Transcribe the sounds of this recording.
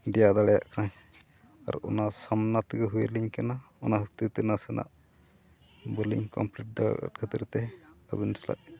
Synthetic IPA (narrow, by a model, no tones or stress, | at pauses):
ɖɛjad̪alɛja̰ʔkʰɾaɦ | a̰ɾɔ̰nasamnat̪ɡəɦuwəliɲkana | ɔnaɦət̪it̪ɛnasɛnʔa̰ʔ | bəlḭŋkɔmpliʈ̚d̪a̰ka̰t̪̚kʰat̪iɾt̪ɛə̰binsla̰ʔ